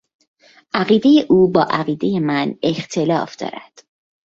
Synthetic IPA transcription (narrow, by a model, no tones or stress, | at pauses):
ʔæɣiːd̪e̞je̞ʔuːbɒːʔæɣiːd̪e̞je̞mæne̞xt̪ʰe̞lɒːfd̪ɒ̰ːɾæ̰d̪̥